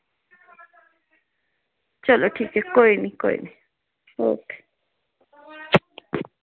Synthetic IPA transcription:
t͡ʃoloʈʰikekoiniko̰ḭni | o̰ke̥

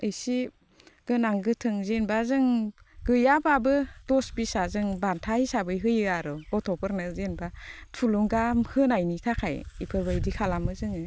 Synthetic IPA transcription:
ɯjsi | ɡ̥ɯnaŋɡɯtʰɯŋzenbazɯŋɡɯjababɯdɔsbisazɯŋbantʰaisabɯjɦɯjɯaɾɯɡɔtʰɔpʰɯɾnɯzenbatʰuluŋɡamhɯnajnitʰakʰajipʰɯbɯjdikʰalamɯzɯŋɯ

